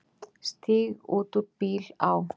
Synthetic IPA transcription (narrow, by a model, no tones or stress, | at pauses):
st̪iːɣuːt̪upiːlaw